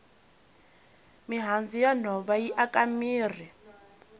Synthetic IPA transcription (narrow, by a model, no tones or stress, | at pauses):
miɦand͡zʱijan̤ɔβajiʔakʼamiːr̤i